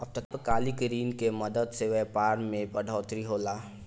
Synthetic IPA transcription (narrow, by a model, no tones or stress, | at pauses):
ɐb̚ʈ̪ɐkkaːlikəɾiːnkemɐd̪əd̪seʋepaːɾmẽpɐɖʱɔːt̪ɾiɦoːlaː